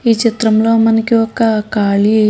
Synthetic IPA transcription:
iːt͡ʃit̪ɾɐmlo̞ːmɐnɐkiɔkɐkaːɭi

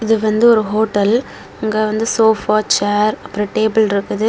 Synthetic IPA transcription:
ɪðɯʋɐnd̪ɯɔɾɯɦoːʈːɐl | ʊŋɡeːʋɐnd̪ɯsoːfaːt͡ʃaːɾɐpːɐɾiʈeːbɪlɪɾɯkːɐðɯ

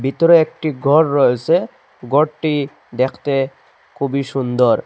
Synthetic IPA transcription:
bʱit̪ɔɾɔekʈiɡʱɔɹːɔese | ɡɔʈi | d̪ɛkʰt̪e | kʰubisund̪ɔɾ

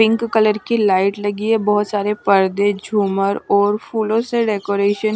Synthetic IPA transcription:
ɪ̃ŋkːələɾkilaːɪʈlɐɡiebɔɦʊt̪saːɾepəɾd̪ed͡ʒʱuːməɾɔːɾfʰuːlõseɖeːkoːɾeːʃən

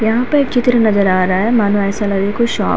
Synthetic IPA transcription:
jɐɦãpɐɾeːk̚t͡ʃɪt̪ɾənɐzəɾaːɾɐaɦɛmaːnuɛːsɐlɐɾikoʃɔ̰ː

